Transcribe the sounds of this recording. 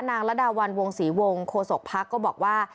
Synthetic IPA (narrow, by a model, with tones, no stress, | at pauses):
naː˧ŋɾa˦˥da˧wa˧nwo˧ŋsiː˩˦wo˧ŋkʰoː˧so˨˩k̚pʰa˦˥kːɔː˥˩bɔː˨˩k̚waː˥˩